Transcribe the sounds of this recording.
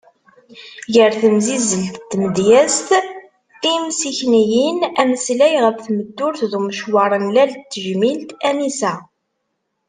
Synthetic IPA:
ʝəɾθəmzizəlt̪t̪ːməd̪jæst̪ | imsiçnijinæməslæjʁəfθməd̪ːʊɾθðuməʃwɑɾˤənlælt̪ːəʒmilt̪ænisæ

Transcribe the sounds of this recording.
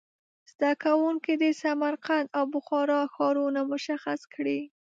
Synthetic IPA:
z̥d̪akawuŋkid̪əsamaɾqand̪awbʊxɑɾɑxɑɾunamʊʃaxaskɽi

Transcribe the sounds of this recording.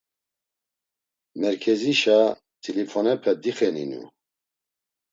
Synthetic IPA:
mɛɾkʰɛziʃa | t̪ʰilifɔnɛpʰɛd̪iχɛnḭnṵ

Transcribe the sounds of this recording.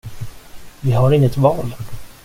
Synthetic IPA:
vɪɦaɾɪŋːət̪vɑːl

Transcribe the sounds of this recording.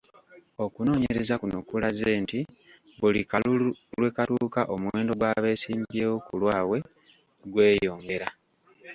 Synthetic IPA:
o̞kuno̞ːɲeɾe̞zakunokulaze̞ːnti | βulikalulwe̞katuːkaʔo̞muwe̞ːndo̞ɡwaːβe̞ːsiːmbjeːwokulwaːwe̞ | ɡwe̞ːjo̞ːŋɡe̞ɾa

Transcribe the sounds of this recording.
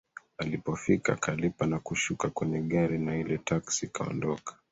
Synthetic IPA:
alipɔfika̰kʰalipanakuʃukakwɛɲɛɠaɾinailɛtʰaksikaɔ̰ndɔkḁ

